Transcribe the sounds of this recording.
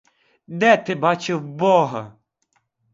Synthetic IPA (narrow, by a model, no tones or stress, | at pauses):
d̪ɛt̪ɪbɑt͡ʃɪwbɔɦɐ